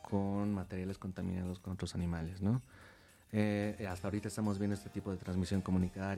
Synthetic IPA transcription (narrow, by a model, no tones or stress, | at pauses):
kʰonmat̪e̞ɾjale̞sko̞nt̪amḭ̃nað̞o̞sko̞not̪ɾo̞sanĩmale̞sno̞ | east̪aoɾit̪aest̪amozβjend̪oest̪e̞t̪ipoðe̞t̪ɾanzmisjo̞ŋko̞mũnit̪aɾ